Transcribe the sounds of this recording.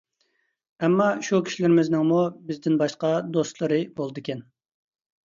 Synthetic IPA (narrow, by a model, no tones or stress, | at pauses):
ɛmːɑʃukʲʰi̥ʃilɪɾɪmɪznɪŋmubɪzd̪ɪnbɑʃqɑd̪ost̪lˠɨɾɨbolˠɨd̪ɨkʲɛn